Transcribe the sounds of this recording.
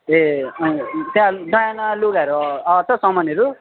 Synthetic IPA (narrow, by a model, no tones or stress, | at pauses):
eʌĩt̪jãɖʌjanʌloɡaɾuʌt͡sʰʌsʌmʌneɾu